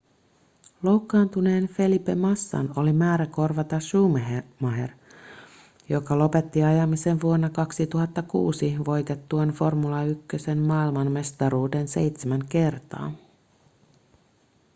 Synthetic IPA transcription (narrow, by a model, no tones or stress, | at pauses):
lo̞wkːɑːnt̪une̞ːnfe̞lipe̞mɑsːɑ̰no̞limæːɾæko̞rʋɑt̪ɑʃuːmeɦemɑɦḛr | jo̞kɑlo̞pe̞t̪ːiɑjɑmise̞nʋuonːɑkɑksit̪uɦɑt̪ːɑkṵːsiʋo̞jt̪et̪ːuɑnfo̞rmulɑykːøse̞nmɑːilmɑnme̞st̪ɑɾuːde̞nse̞̰jt̪semæŋke̞rt̪ɑ̰ː